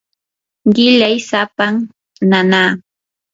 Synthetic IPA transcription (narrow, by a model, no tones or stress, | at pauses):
ɢɪʎajsapaŋ | nanaː